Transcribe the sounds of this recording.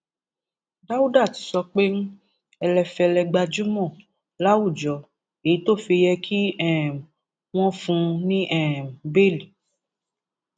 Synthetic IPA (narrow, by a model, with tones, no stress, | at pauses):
da˦wu˦da˦˨ti̥˨sɔ˧k͡pe˦ñ̩˦ | ɛ˧lɛ˧fɛ˧lɛ˧ɡ͡ba˧d͡ʒu˦mɔ̃˦˨ | la˦wu˦˨d͡ʒɔ˨ | e˨i˦to˦˨fi˧jɛ˧kʰi˦ɛ˦˨m˨ | w̃ɔ̃˦fũ˧nĩ˦ʔɛ̃˦˨m̩˨be˦˨li˨